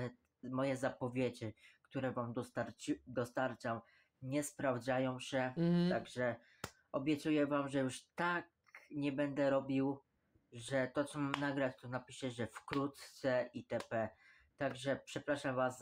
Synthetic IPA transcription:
mɔjɛzapɔvʲjed͡ʑikt̪uɾɛvamd̪t̪aɾd̪ɔst̪aɾt͡ʂaw | ɲɛspɾavd͡z̪ajɔ̃w̃ɕɛt̪aɡʐɛ | ɔbʲjɛt̪sujɛvamʐɛjuʂt̪ak | ɲɛbɛnd̪ɛɾɔbʲiw | ʐɛt̪ɔt͡sɔmamnaɡɾat͡ɕt̪ɔnapʲiʂɛʐɛfkɾut̪t̪sɛit̪ɛpɛ | t̪aɡʐɛpʂɛpɾaʂamvas

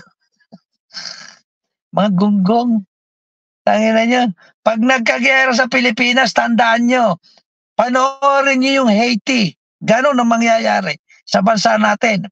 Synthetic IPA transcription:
mɐŋaɡʊŋɡoŋ | t̪aŋɪnɐɲon | pɐɡ̚nɐɡ̚kɐɡɪaɾas̬ɐpɪlɪpiːnast̪ɐnd̪aʔanɲo | pɐnoʔʔoɾɪnɲojʊŋhɛjt̪ɪ | ɡɐno̞nɐŋmɐŋjajaːɾɛ | sɐbɐnsaʔnaːt̪ɪn

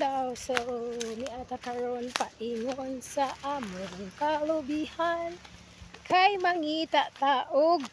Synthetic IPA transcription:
awsoniʔat̪akaɾonpaʔiŋonsaʔamʊɾikalobihan | kʰajmaŋit̪aʔt̪aʔʊɡ̚

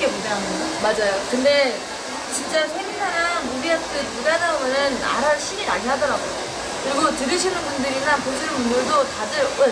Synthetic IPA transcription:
emumʌɦanɯamad͡ʑajokɯnde̞ | t͡ɕint͡ɕ͈asʰeŋisʰanaubiat͈ɯmuɡadaomʌnɯna̰ɾaɭɕʰiniɾaɡiɦadʌɾaɡojo | kɯɾiɡotɯɾɯɕ̬ʰinɯnmundɯɾinanpoɕ̬ʰinɯnmundɯɭdotad͡ʑɯʌ

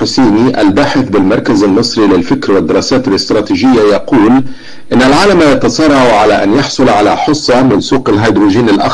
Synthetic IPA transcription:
ʊseːniʔa̰lbaːħɪθbɪlmɑɾˤkazalmɨsˤɾilɪlfɪkɾwɪd̪ːɪɾˤɑːsaːt̪ɪlɪst̪ɾˤɑːt̪iːʒɪjːajɑquːl | ʔɪnːalʕaːlamajɑt̪ɑsˤɑrˤːɑʕʕalaʔa̰njɑħsˤʊlʕalaħʊsˤːɑmɪnsuːqalɦajd̪ɾuːʒiːnɪlʔa̰x

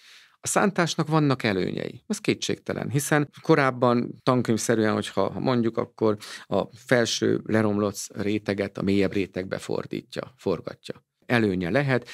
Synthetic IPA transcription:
ɒsa̰ːnt̪aːʃnɒkʋɒnːɒkɛlø̰ːɲɛ̰jḭɛskeːtʃḛːkt̪ɛlʔɛ̰nɦisɛnko̞ɾaːbːɒnt̪ɒŋkøɲfsɛɾyɛnho̞chɒ̰ɦɒmʔo̞ɲɟukɒ̰kːo̞rɒfɛlʃø̰ːlɛɾo̞mlo̞t̪sreːt̪ɛɡɛt̪ɒmeːjɛbreːt̪ɛɡ̚bɛ̰fo̞̰rd̪ḭːcːɒ̰fo̞rɡɒ̰cːɒ | ɛløːɲɛlɛɦɛt̪

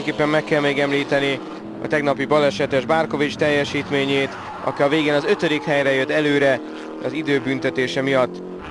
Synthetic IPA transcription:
ɛŋkeːpːɛmːɛkːɛlmeːɡɛmliːt̪ɛni | ɒ̰t̪ɛɡnɒpibɒlɛʃɛt̪eʒbaːrko̞vit͡ʃt̪ɛjːɛʃiːt̪meːɲeːt̪ | ɒ̰kiɒveːɡeːnɒzø̞t̪ø̞d̪ikhɛjrɛjøt̪ːɛløːɾɛ | ɒzid̪øːbynt̪ɛt̪eːʃɛmijɒt̪ː

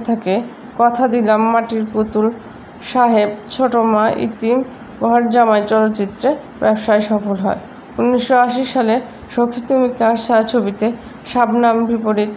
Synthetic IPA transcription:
t̪ʰake | kɔt̪ʰad̪ilamːaʈiɾput̪ul | ʃaɦebt͡ɕʰoʈomaʔḭt̪im | ɡʱɔɾd͡ʑamaet͡ɕɔlot̪ːt͡ɕit̪ːɾe | bɛbʃaeʃɔfolɦɔ̰e | unːiʃːoaʃiʃale | ʃokʰːit̪umikaʃat͡ɕʰobit̪e | ʃabnambʱipoɾiɾ

